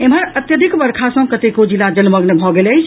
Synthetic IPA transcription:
emɦəɾət̪jəd̪ʱikbəɾkʰasə̃kət̪ekod͡ʒilad͡ʒəlməɡnebʱɔɡeləjt͡ʃʰ

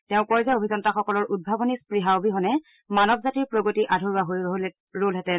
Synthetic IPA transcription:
tɛʊ̃kɔɹzaobʱizɔntaxɔkɔlɔɹʔud̚bʱabonispɹiɦaobiɦɔnɛ | manɔbzatiɹpɹoɡotiʔadʱoɹuaɦoj | ɹolɦɛtɛ

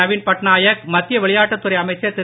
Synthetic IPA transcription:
ɐʋiːnpɐʈnaːjɐkmɐt̪ːɪjɐʋɛɭɪjaːʈːɐt̪ːɯɾɐɪɐmɐɪt͡ʃːɐɾt̪ɪ

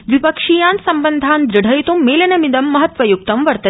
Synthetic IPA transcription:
ʋipɐkʂijaːnsɐmbənd̪ʱaːnd̪ɾiɽʱɐjt̪umːeːlɐnɐmid̪ɐmːɐɦɐt̪ʋɐjuk̚t̪ɐmʋɐɾt̪ɐ

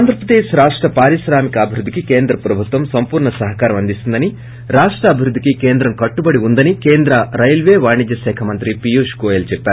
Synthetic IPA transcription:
aːnd̪ɐɾpɾɐd̪eːʃɾaːʂʈɾɐpaːɾiʃɾaːmikɐːbʱiɾud̪ʱːikikeːnd̪ɾɐpɾɐbʱut̪ʋɐmsɐmpuːɾɳɐsɐɦɐkaːɾɐmɐnd̪ist̪und̪ɐni | ɾaːʂʈɾɐːbʱiɾud̪ʱːikikeːnd̪ɾɐmkɐʈːubɐɽiund̪ɐnikeːnd̪ɾɐɾɐjlʋeːʋaːɳid̪jɐʃɛːkʰɐmɐnt̪ɾipijuːʂkoːjelt͡ʃɛpːaːɾu

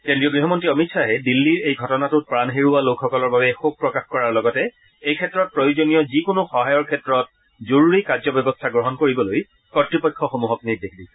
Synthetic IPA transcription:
kendɹiɔɡɹiɦɔmɔntɹiɔmitsaɦɛdilːiɹejɡʱɔtɔnatʊt̚pɹanɦeɹualokʰxɔkɔlɔɹbabɛxob̚pɹɔkaxkɔɹaɹlɔɡɔtɛ | ejkʰɛtːɹɔt̚pɹojozonijɔzikonʊxɔɦajɔɹkʰɛtɹɔt̚ | zoɹuɹikazɔbɛbɔstʰaɡɹɔɦɔnkoɹibɔloj | kɔtɹipɔjkʰːɔxomuɦɔknit̚dexʰdisɛ̥

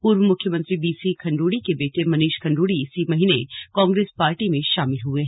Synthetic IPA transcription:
puːɾʋəmʊkʰjəmə̃nt̪ɾibiːsikʰɐ̃ɳɖuːɽikebeːʈemɐniːʃkʰɐ̃ɳɖuːɽiɪsimɐɦiːnekɔ̃ːŋɡɾeːspaːɾʈimẽʃaːmɪlɦueɦɛ

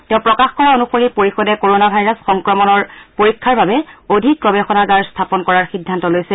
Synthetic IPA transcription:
tɛʊ̃pɹɔkaxkɔɹaonupoɹipoɹixɔdɛkoɹonabʱajɹasxɔŋkɹɔmɔnɔɹpoɹikʰːaɹbabɛodʱik̚pɹɔbɛxɔnaɡaɹstʰapɔnkɔɹaɹxidʱːantɔlojsɛ

